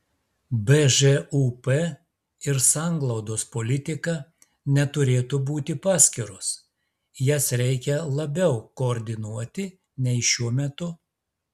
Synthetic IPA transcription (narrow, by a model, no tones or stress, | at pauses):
bɛʒɛupɛ | ɪɾsɑːˑŋɡlˠɔʊd̪oːspolʲɪt̪ʲɪkɐ | nʲɛt̪ʊɾʲeːt̪uːbuːt̪ʲɪpɑːsʲkʲɪɾʊs | jɛsɾʲɛɪkʲɛlˠɐbʲɛʊkoːɾʲd̪ʲɪnuɔt̪ʲɪ | nʲɛɪʃʲuɔmʲɛt̪ʊ